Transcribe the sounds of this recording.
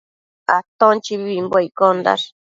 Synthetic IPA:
at̪ont͡ʃiβiβimbajkond̪a̰ɾ

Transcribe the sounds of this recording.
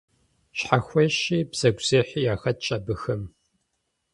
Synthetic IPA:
ɕħaxʷɔɕiːbz̥ɐɡʷz̥eːħijaːxɐt̚t͡ʃʼɐbɨxɐm

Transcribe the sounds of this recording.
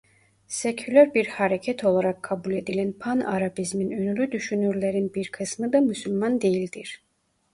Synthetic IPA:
secʰylʲæɾbiɾhaɾecʰɛt̪ʰo̞lˠaɾakʰːabulʲe̞d̪ilʲænpʰana̰ɾabizminønylʲyd̪yʃynyɾlʲeɾinbiɾkʰɯsmɯd̪amysylʲmand̪e̞jilʲd̪iɾ̥

